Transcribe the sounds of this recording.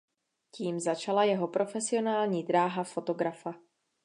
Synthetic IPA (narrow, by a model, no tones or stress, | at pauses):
ciːmzat͡ʃalajɛɦo̞pɾʔo̞fɛsɪo̞naːlɲiːd̪ɾaːɦafo̞t̪o̞ɡɾafa